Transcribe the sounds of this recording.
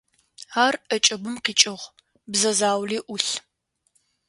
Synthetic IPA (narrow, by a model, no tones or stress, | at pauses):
aːrɐt͡ʃʼɐbɨmqiːt͡ʃʼɪʁʷ | bzɐzaːwliːʔʊɬ